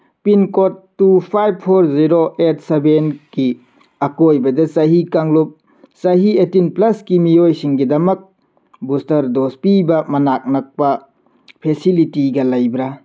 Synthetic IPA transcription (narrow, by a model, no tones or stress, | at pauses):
pinkotːupʰajb̚pʰoɾziɾoʔet̚ʰsebenki | ɐkojbɐdɐsɐɦikaŋlup̚ | sɐɦietinplɐskimijojsiŋɡidɐmɐk̚ | bustɐɾdospibɐmɐnak̚nɐk̚pɐ | pʰesilitiɡɐlɐjbɾa